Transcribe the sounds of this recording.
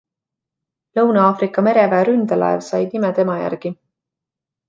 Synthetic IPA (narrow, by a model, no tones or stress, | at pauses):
lɤwnɑɑːfɾikːˑɑme̞ɾe̞væːɾynd̪̥ɑlʔæ̰ḛvsɑjd̪nimɛt̪e̞mɑjæ̰rɡ̥i